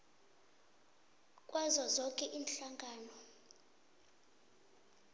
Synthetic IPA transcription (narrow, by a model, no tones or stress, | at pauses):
kʼwazɔzɔkʼɛʔiːnɬaŋɡʱaːnɔ